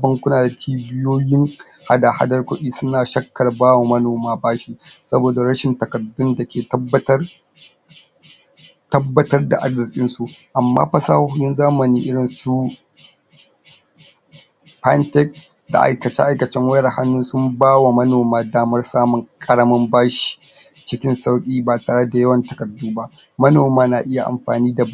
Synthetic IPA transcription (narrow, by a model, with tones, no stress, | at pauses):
bɐ˦ŋkʷʊ˦naː˨da˨t͡ʃiː˦bɪ˦joː˦jɪ˦ŋ | ha˦da˨ha̰˦dɐ˦rkʷʊ˦ɗiː˦sʊ˦naː˨ʃɐ˦kːɐ˨rbaː˦wa˨mɐ˦noː˨maː˦baː˦ʃi˦sɐ˦boː˨da˨ɾɐ˦ʃɪ˨ntɐ˨kɐ˨dʊ˦nda˨kʲʰeː˨tɐ˦bːɐ˦tɐ˦r | tɐ˦bːɐ˦tɐ˦rda̰˨ʔa˨rzɪ˨kʲʼɪ˦nsu˨ʔʔa˨mːa̰ː˦ɸɐ˦saː˦hhʊ˦jɪ˦nzaː˦mɐ˨niː˦ʔɪ˦ɽɪ˨nsu˦ | pa˦ntɛ˦k̚ | da̰˨ʔa̰˨jkɐ˨t͡ʃɛ̰˦ʔa˦jkɐ˨t͡ʃɛ˦ŋwɐ˦ɐ˨ha˦nːuː˦sʊ˦mbaː˦wa˨mɐ˦noː˨maː˦daː˦mɐ˦rsaː˦mʊ˨kʼɐ˦ɽɐ˦mɐ˦mbaː˦ʃi̥˨ | t͡ʃɪ˦kʲɪ˦nsa˦wkʲʼiː˦baː˨taː˨ɽe˦da˨jɐ˦wɐ˨ntɐ˨kɐ˨duː˦ba˦ | mɐ˦noː˨maː˦na˨ʔɪ˦ja˨ʔa̰˨mɸa̰ː˨niː˦da˨